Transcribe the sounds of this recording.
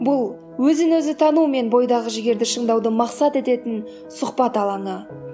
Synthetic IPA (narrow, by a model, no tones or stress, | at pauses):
bʊlˠ | wɵzɪnɵzɪt̪ʰɑnume̞nbo̞jd̪ɑʁəʒɪɡʲe̞ɾd̪ɪʃəɴd̪ɑwd̪əmɑqsɑt̪e̞t̪e̞t̪ɪn | sʊqpɑt̪ɑlˠɑɴə